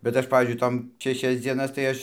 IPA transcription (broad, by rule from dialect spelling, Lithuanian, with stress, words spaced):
bʲɛt ˈɐʃ ˈpɑːʋʲiːzʲd͡ʒʲʊɪ ˈtoːm ʃʲɛˈʃʲɛs d͡zʲiɛˈnɐs tɐɪ ˈɐʃ